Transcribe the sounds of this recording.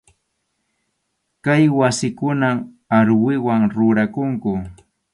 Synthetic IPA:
kajwasɪkʊnam | aɾwɪwaŋɾʊɾakʊŋkʊ

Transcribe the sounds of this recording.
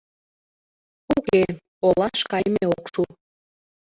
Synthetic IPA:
uke | olɑʃkɑjmeookʃu

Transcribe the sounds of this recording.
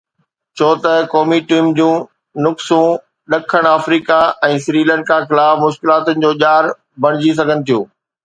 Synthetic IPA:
t͡ɕʰoːt̪ɐkɔːmiʈiːmd͡ʑũː | nʊksũ | ɗɐkʰəɽ̃aːfɾiːkaɛ̃ːsɪɾiːlə̃ɳɖ̚kʰãxɪlaːfmʊʃkɪlaːt̪ʊnɪ̆d͡ʑoːʄaːɾ | bɐɽ̃ɪd͡ʑis̬ɐɡʱənɪ̆t̪ʰijoː

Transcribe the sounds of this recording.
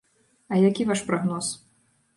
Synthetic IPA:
ɐjakʲivaʂpɾɔɣnɔs

